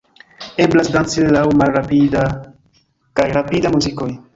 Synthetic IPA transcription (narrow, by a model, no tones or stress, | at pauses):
e̞blasdant͡silawmalɾapida | kajɾapidamuziko̞j